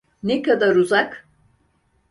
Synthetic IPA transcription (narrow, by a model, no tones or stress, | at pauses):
nekad̪aɾuzak